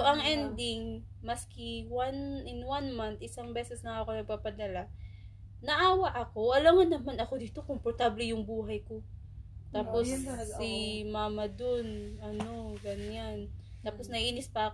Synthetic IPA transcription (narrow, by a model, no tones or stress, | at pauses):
ʔɐŋʔɛnd̪ɪŋ | mɐskɪwanɪnwanmant̪ɪsaŋbɛːsɛsnɐŋakonɐɡ̚papɐd̪ɐla | nɐʔaːwɐʔɐko̞ʔɐlaŋɐnɐmanɐko̞d̪iːt̪o̞kompoɾt̪ablɛjʊŋbuːɦɐjko̞ | t̪aːpo̞sːɪmaːmɐd̪onʔɐno̞ɡɐɲan | t̪aːposnɐʔʔiːnɪspɐʔɐk